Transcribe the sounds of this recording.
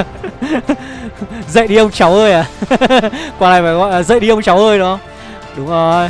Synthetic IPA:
zə̰˧˨jɗi˧ə˧wŋ͡mt͡ɕa˨˦wʔəː˧jaː˨˩ | kwaː˧laː˧˩jmaː˨˩ɣa̰ː˧˨laː˨˩zə̰˧˨jɗi˧ʔə˧wŋ͡mt͡ɕa˨˦wʔəː˧jnɔ˨˦ | ɗʊ˨˦ŋ͡mo˨˧

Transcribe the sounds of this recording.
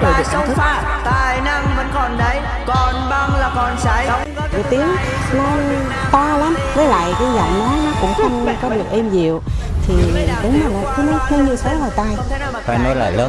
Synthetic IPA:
ɗə̰˨˧˩vi˨˩k̚ə˧t̪ʰɨ˦˥˨ | t̪aː˨˩jna˧ŋvə̰˧˥nkɔ˨˩nɗə˧j | kɔ˨˩nɓaː˧ŋlaː˨˩kɔ˨˩nsa˧˦j | ḭ˨˧˩t̪i˨˦əŋ | nɔ˨˦ | t̪aː˧laː˨˦mvəː˨˦jla̰ː˧˨jkə˧zɔ̰˧˨wŋ͡mnɔ˨˦jnɔ˨˦kʊ̰˧˥ŋ͡mxʰa˧ŋ͡ma˧ne˧nkɔ˨˦ɗɨ˨˩ək̚ʔe˧mɲi˨˩əwt̪ʰi˨˩ɗʊ˨˦ŋ͡mmaː˨˩nɔ˨˦t̪ʰi˨˦n˦˥t̪ʰi˧nɲɨ˧sə˨˦vaː˨˩jt̪aː˧˩j | faː˧˩jnɔ˨˦jla̰ː˧˨jləː˨˦n

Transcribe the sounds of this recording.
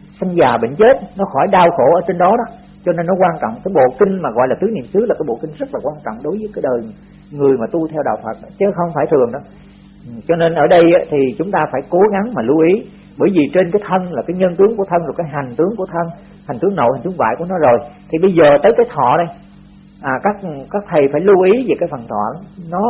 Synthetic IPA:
sa˧jŋ̟zaː˨˩ɓḭ˧˨ŋ̟t͡ɕe˦˥t̚nɔ˨˦xɔ˧˩jɗaː˧wxo˧˩ʔəː˧˩t͡ɕe˧nɗɔ˨˦ɗɔ˨˦ | t͡ɕɔ˧ne˧nːɔ˨˦kwaː˧nt͡ɕɔ̰˧˨wŋ͡mkaː˨˦jɓo̰˧˨kï˧ŋ̟maː˨˩ɣɔ̰˧˨jlaː˨˩t̪ɨ˨˦nḭ˧˨əmsɨ˨˦laː˨˩kaː˨˦jɓo̰˧˨kï˧ŋ̟zə˦˥t̚laː˨˩kwaː˧nt͡ɕɔ̰˧˨wŋ͡mɗo˨˦jvəː˨˦jkaː˨˦jɗəː˨˩j | ŋɨ˨˩əjmaː˨˩t̪u˧t̪ʰɛ˧wɗa̰ː˨˩wfə˨˩t̚ːt͡ɕə˨˦xə˧wŋ͡mfaː˧˩jt̪ʰɨ˨˩əŋɗɔ˨˦˨ | t͡ɕɔ˧ne˧nʔəː˧˩ɗə˧jʔaː˨˦t̪ʰi˨˩t͡ɕʊ˨˦ŋ͡mt̪aː˧faː˧˩jko˨˦ɣa˨˦ŋmaː˨˩lu˧ʔi˨˦ | ɓəː˧˩jvi˨˩t͡ɕe˧nkaː˨˦jt̪ʰə˧nlaː˨˩kaː˨˦jɲə˧nt̪ɨ˨˦əŋku˧˩ət̪ʰə˧nzo˨˩jkaː˨˦jɦa˨˩jŋ̟t̪ɨ˨˦əŋku˧˩ət̪ʰə˧n | ha˨˩ŋ̟t̪ɨ˨˦ŋno̰˧˨ha˨˩ŋt̪ɨ˨˦əŋva̰ː˧˨jku˧˩ənɔ˨˦zo˨˩jt̪ʰi˨˩ɓə˧jzəː˨˩t̪əː˨˦jkaː˨˦jt̪ʰɔ̰˧˨ɗə˧j | ʔaː˨˩kaː˦˥k̚kaː˦˥k̚t̪ʰə˨˩jfaː˧˩jlu˧ʔi˨˦veː˨˩kaː˨˦jfə˨˩nt̪ʰwɔ̰˧˨nɔ˨˦

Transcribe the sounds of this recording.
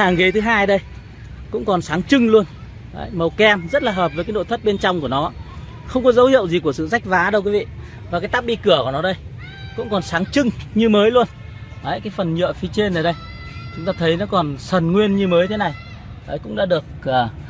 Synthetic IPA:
aː˨˩ŋɣi˨˦t̪ʰɨ˨˦ɦaː˧jɗə˧j | kʊ̰˧˥ŋ͡mkɔ˨˩nsaː˨˦ŋt͡ɕɨ˧ŋlu˧ən | ə̰˨˩jmə˨˩wkɛ˧mzə˦˥t̚laː˨˩ɦəː˨˩p̚vəː˨˦kaː˨˦jɗo̰˧˨jt̪ʰə˦˥t̚ɓe˧nt͡ɕɔ˧wŋ͡mku˧˩ənɔ˨˦˧ | xə˧wŋ͡mkɔ˨˦zə˨˦whḭ˧˨ə˨wzi˨˩ku˧˩əsɨ̰˧˨za˦˥jk̟̚vaː˨˦ɗə˧wk̬i˨˦vḭ˧˨ | vaː˨˩kaː˨˦jt̪a˦˥p̚ɓi˧kɨ˧˩əku˧˩ənɔ˨˦ɗə˧j | kʊ̰˧˥ŋ͡mkɔ˨˩nsaː˨˦ŋt͡ɕɨ˧ŋɲɨ˧məː˨˦jlu˧ənː˨˧˦ | jkaː˨˦jfə˨˩nɲɨ̰˧˨fi˧˦t͡ɕe˧nʔə˨˩jɗə˧j | t͡ɕʊ˨˦ŋ͡mt̪aː˧t̪ʰə˨˦jnɔ˨˦kɔ˨˩nsə˨˩nŋwi˧ənɲɨ˧məː˨˦jt̪ʰe˨˦na˨˩j | ʔəː˨˦jkʊ̰˧˥ŋ͡mɗa̰ː˧˥ɗɨ˨˩ək̚əː˨˩

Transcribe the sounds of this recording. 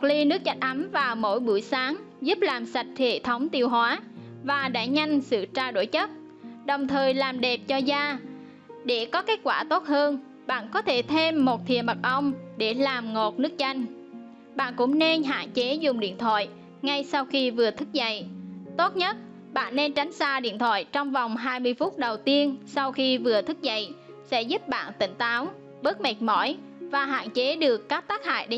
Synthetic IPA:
k̚li˧nɨ˦˥ək̚t͡ɕa˧jŋ̟ʔa˨˦mvaː˨˩wmo̰˧˥jɓu˧˩əjsaː˨˦ŋ | zu˦˥p̚laː˨˩msa˨˩jt̟̚t̪ʰḛ˧˨t̪ʰə˨˦wŋ͡mt̪i˧əwɦwaː˨˦ | vaː˨˩ɗa̰ː˧˥ɲa˧jŋ̟sɨ̰˧˨t͡ɕaː˧ɗo̰˧˩jt͡ɕə˦˥t̚ | ɗə˨˩wŋ͡mt̪ʰəː˨˩jlaː˨˩mɗe˨˩p̚t͡ɕɔ˧zaː˧ | ɗe˧˩kɔ˨˦ke˦˥t̚kwaː˧˩t̪o˦˥t̚həː˧n | ɓa̰ː˧˨nkɔ˨˦t̪ʰe˧˩t̪ʰe˧mːo˨˩t̚t̪ʰḭ˨˩əma˨˩t̚ʔə˧wŋ͡mɗe˧˩laː˨˩mŋo˨˩t̚nɨ˦˥ək̚t͡ɕa˧jŋ̟ | ɓa̰ː˧˨nkʊ̰˧˥ŋ͡mne˧nɦa̰ː˧˨nt͡ɕe˨˦zʊ˨˩ŋ͡mɗḭ˧˨ənt̪ʰwa̰ː˧˨j | ŋa˧jsa˧wxi˧vɨ˨˩ət̪ʰɨ˦˥k̚zə̰˧˨jt̪o˦˥t̚ɲə˦˥t̚ | ɓa̰ː˧˨nːe˧nt͡ɕa˨˦jŋ̟saː˧ɗḭ˧ənt̪ʰwa̰ː˧˨jt͡ɕɔ˧wŋ͡mva˨˩wŋ͡mɦaː˧jmɨ˧əjfu˦˥t̚ɗə˨˩wt̪i˧ənsa˧wxi˧vɨ˨˩ət̪ʰɨ˦˥k̚zə̰˧˨j | sɛ̰˧˥zu˦˥p̚ɓa̰ː˧˨nt̪ï˧˩ŋ̟t̪aː˨˦w | ɓə˦˥t̚ma˨˩k̚mɔ˧˩j | vaː˨˩ɦa̰ː˧˨nt͡ɕe˨˦ɗɨ˨˩əkkaː˦˥k̚t̪aː˦˥k̚ha̰ː˧˨jɗe˨˦

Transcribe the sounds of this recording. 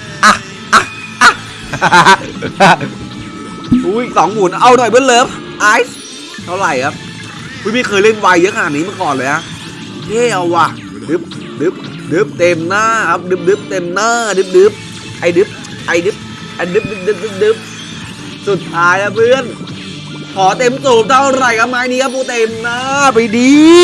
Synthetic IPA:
ʔa˧˩ | ʔa˧˩ | ʔa˧˩ | a˧ | ʔuː˧˩ji˨˩sɔː˩˦ŋmuː˨˩˦nʔa˧˩wnɔ˨˩jbɯː˧˥˨nlːeː˧˦˧p | ʔaː˧˥js | t̪ʰa˧˩wɾa˨˩jkʰa˦˥p̚ | kʰu˧˥˩miː˧˥˩kʰɤː˧˩jle˧˥˩nwa˧jɯː˦˥kʰa˧naː˨˩ʔniː˦˥ma˧˥˨kɔː˨˩nlɤː˨˧˦jʔa˧˥ | jeː˧˩ʔa˧˩wa˧˩ | dɯ˨˦˥p̚ | dɯ˦˥p̚ | dɯ˦˥p̚t̪e˧mnaː˧˥˩kʰa˦˥p̚dɯ˦˥p̚dɯ˦˥p̚t̪e˧mnaː˧˥˩dɯ˦˥p̚dɯ˦˥p̚ | ʔa˨˧˩jdɯ˦˥p̚ | ʔa˨˧˩jdɯ˦˥p̚ | ʔa˨˧˩jdɯ˦˥p̚dɯ˦˥p̚dɯ˦˥p̚dɯ˦˥p̚dɯ˦˥p̚ | su˨˩t̪ʰːaː˦˥jkʰa˦˥pʰɯː˧˥˩ən | kʰɔː˩˦t̪e˧mt̪o˨˩p̚t̪ʰa˧˩wɾa˨˩jkʰa˦˥p̚maː˦˥niː˦˥kʰa˦˥p̚ʰːuː˧˥t̪e˧mnaː˥˩˨pa˧jdiː˧

